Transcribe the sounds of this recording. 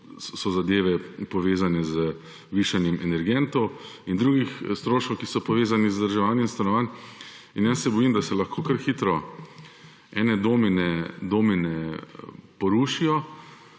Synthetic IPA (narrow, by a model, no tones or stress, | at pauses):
sɔzad̪eːʋɛpɔʋeːzanɛzə | ʋiːʃanjɛmʔɛnɛɾɡɛnt̪ɔwind̪ɾuːɡixst̪ɾoːʃkowkisɔpɔʋeːzanizd̪əɾʒɛʋaːnjɛminst̪anɔʋaːn | injassɛbɔjimd̪asɛlaxkoːkaɾxiːt̪ɾɔ | ɛːnɛd̪oːminɛd̪oːminɛ | pɔɾuːʃijɔ